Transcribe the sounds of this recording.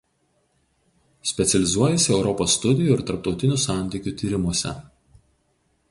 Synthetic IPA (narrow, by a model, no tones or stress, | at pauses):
sʲpʲɛt̪sʲɛlʲɪzuɔjɛsʲɪɛʊɾɔpoːsːt̪ʊd̪ʲɪjuɪɾt̪ɐɾp̚t̪ɒʊt̪ʲɪnʲuˑsɑˑnʲt̪ʲiːˑkʲuˑt̪ʲiːɾʲɪmuɔsʲɛ̰